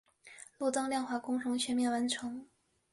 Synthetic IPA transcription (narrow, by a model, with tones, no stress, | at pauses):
lu˥˩t͡sɑ˥ŋljɑ˥˧ŋxwa˥˩kʊ˥ŋʂʊ˧˥ŋt͡ɕʰɥɛ˥mjɛ˥˩nwa˧˥nʈ͡ʂʰɤ˧˥ŋ